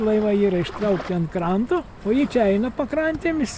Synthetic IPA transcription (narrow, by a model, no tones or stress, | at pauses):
lˠɐɪʋɐiːɾɐɪʃt̪ɾɐʊkt̪ʲiɐnt̪kɾɐnt̪o | oːjiːt͡ʃʲɛɛɪnɐpɐkɾɐnʲt̪ʲeːmʲɪs